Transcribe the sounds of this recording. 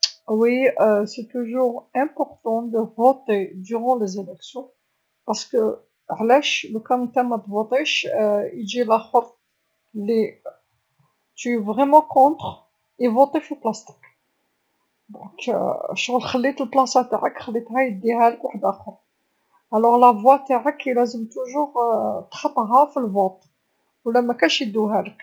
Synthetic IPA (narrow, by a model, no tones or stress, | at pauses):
wiset̪uʒuʁɛ̃pɔʁt̪ɑ̃d̪əvot̪ed̪yʁɑ̃lezelɛksjɔ̃ | pɑʁsə̥kə | ʕlæʃlukæmnt̪æmæt̪vot̪ˤeʃid͡ʒilæxəf | li | t̪yevʁɛmɑ̃kɔ̃t̪χ | ivot̪ˤifiplæst̪i̥k | d̪̃kʃɣəlxəlːit̪əlplɑsæt̪aʕəkxəlːit̪ɦæjəd̪ːiɦæləkwaħəd̪ʔæxəɾˤ | ʔælːɔʁlævwæt̪aʕəklæzəmt̪uʒuʁt̪xɑt̪ˤːɦɑfilvot̪ˤ | wlːæmækæʃjəd̪ːuɦælək